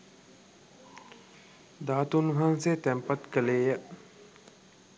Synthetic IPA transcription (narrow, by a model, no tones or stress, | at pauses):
d̪aːt̪unɦanset̪ɛmpat̪kəleːjəʔ